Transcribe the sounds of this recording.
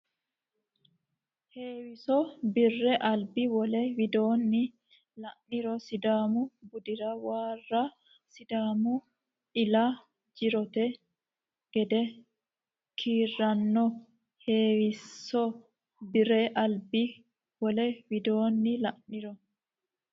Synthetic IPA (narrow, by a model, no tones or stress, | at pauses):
heːwɪsɔbɪrːɛʔɐlbɪwɔlɛwɪd̪oːnːɪ | lɐʔnːɪɾɔsɪd̪aːmʊbʊd̪ɪɾɐwaːrːa | sɪd̪aːmʊ | ɪla | d͡ʒɪɾɔt̪ɛ | ɡ̥ɛd̪ɛ | kʰiːrːɐnːɔ | heːwɪsːɔ | bɪɾɛʔɐlbɪ | wɔlɛwɪd̪oːnːɪlɐʔnɪɾɔ